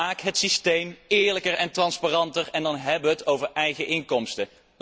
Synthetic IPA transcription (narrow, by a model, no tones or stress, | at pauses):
aːkɦətsistejmɪːɹləkərɛntrɑnspaːrɑntəɹɛndɑnɦɛbəəətowvəɹɛjχəʔɪŋkɔmstə